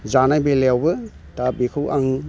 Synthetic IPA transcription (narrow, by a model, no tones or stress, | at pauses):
zanajbelewbɯ | tabikʰɯwʔaŋ